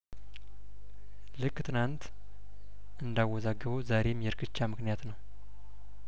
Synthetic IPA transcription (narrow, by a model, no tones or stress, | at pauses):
lɨkːt̪ʼɨnant̪ | ɨnd̪awɔzaɡɨβəwzaɾe̞mjɛɾkʰɨt͡ʃːamɨknijat̪nəw